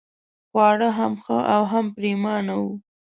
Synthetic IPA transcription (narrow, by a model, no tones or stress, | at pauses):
xwɑɽəɦamxəʔawɦampɾemɑnawu